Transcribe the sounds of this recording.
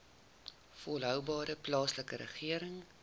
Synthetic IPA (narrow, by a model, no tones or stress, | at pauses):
folɦœwbɑːɾəplɑːsləkəɾə̰χiəɾəŋ